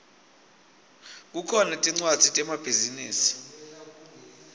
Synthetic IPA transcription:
k̬ukʰɔnɛtʼiŋ͡ǀwad̥z̥ʱitʼɛmab̥ʱizinḭːsi̥

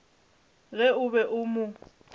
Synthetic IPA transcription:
ɣɛʊbɛʔʊmʊ

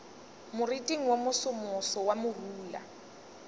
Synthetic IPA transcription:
mʊritʼiŋ̩womʊsʊmʊsɔwamʊruːla̰

